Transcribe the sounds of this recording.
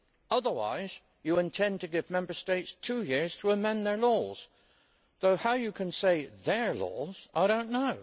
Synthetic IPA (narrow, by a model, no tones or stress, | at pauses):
ʌðə˞wa̰ɪz̥ | jɨɨ̃ntʰɛ̃ntɨɡɪvmɛ̃mbə˞steɪtstʰʉjɪɹz̥tʰəəmɛ̃nðə˞lɔz̥ | ðoʊhaʊjɨkʰɨ̃nseɪðə˞lɔ̰z̥aɪɾõʊ̃nːoʊ